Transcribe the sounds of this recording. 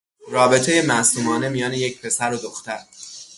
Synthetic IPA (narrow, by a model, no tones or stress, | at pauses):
rɒːbe̞t̪ʰe̞je̞mæsuːmɒːne̞mijɒːneje̞c̚ʰpʰe̞sæɾod̪oxt̪æɾ